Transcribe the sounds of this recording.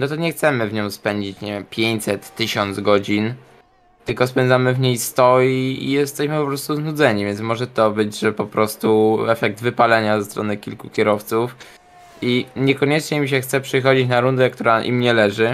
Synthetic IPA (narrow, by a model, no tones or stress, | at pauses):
nɔt̪̬ɔɲɛxt̪sɛmɘvɲɔ̃w̃spɛɲd͡ʑit͡ɕɲɛpʲjeɲʲsɛt̪ːɘɕɔnd̪zɡɔd͡ʑin | t̪ɘlkɔspɛnd̪zamɘvɲejst̪ɔiḭjɛst̪ɛɕmɘpɔpɾɔst̪uznud̪zɛɲivʲjɛnsmɔʐɛt̪ɔbɘd͡ʑʐɛpɔpɾɔst̪uɛfɛk̚d̪vɘpalɛɲazɛst̪ɾɔnɘkʲilkukʲɛɾɔft̪suf | iɲɛkɔɲɛt͡ʂɲɛimɕ̬ɛxt̪sɛpʂɘxɔd͡ʑit͡ɕnaɾund̪ɛk̚t̪uɾaʔḭmɲɛlɛʐɘ